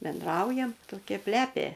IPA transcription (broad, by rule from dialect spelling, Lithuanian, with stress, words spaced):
bʲɛnˈdrɐʊjɛm toːˈkʲɛ ˈpʲlʲæːpʲeː